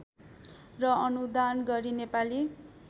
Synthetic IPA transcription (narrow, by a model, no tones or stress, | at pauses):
rʌʌnud̪anɡʌɾinepali